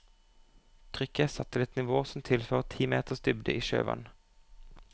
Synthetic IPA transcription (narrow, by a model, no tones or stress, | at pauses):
t̪ʰʁʏkəsɑt̪ʰːəlɛt̪nɪʋoːsɔmt̪ʰɪlføːʁt̪ʰiːmeːt̪əʁsd̪ʏbd̪ə̰ʔiːʃø̰ːʋɑ̰n